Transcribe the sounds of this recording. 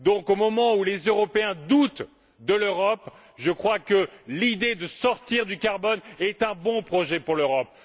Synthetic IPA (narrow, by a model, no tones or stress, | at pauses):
d̪ɔ̃komɔmɑ̃ulezøʁɔpeɛ̃d̪ut̪ | d̪əløʁɔp | ʒəkχwakəlid̪ed̪əsɔʁt̪iʁd̪ykaʁbɔnɛt̪ɛ̃bɔ̃pχɔʒɛpuʁløʁɔp̚